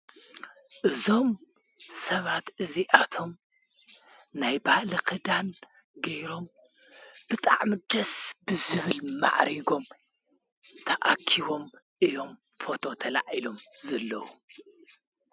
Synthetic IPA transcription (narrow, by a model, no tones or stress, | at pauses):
ʔɨzo̞m | sɐβat̪ʔɨziʔat̪ʰo̞m | najbalikʰɨd̪an | ɡɐjɾo̞m | bɨt̪ʼa̰ʕmid̪ɐsbɨzɨβɨlma̰ʕɾiɡo̞m | t̪ʰɐʔa̰kʰiβo̞m | ʔɨjo̞m | fo̞t̪ʰo̞t̪ʰɐla̰ʕilo̞mzɐlːɐwu